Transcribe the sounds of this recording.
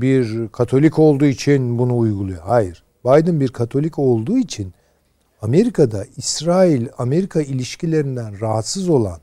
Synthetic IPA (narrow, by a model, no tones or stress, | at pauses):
biɾkʰat̪ʰo̞lʲiko̞lˠd̪uːit͡ʃʰinbunuːjɡulˠujoɦajiɾ̥ | bajd̪ɯnbiɾkʰat̪ʰo̞lʲico̞lˠd̪uːit͡ʃʰin | ame̞ɾikʰad̪aisɾaːilʲame̞ɾikʰailʲiʃcilʲe̞ɾind̪ænɾaɦat̪sɯzo̞lˠa̰n